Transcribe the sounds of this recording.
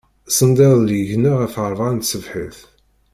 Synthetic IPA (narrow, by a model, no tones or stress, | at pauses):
sənd̪iðˤləʝnəʁæfəɾˤvʁant̪səvħə̰θ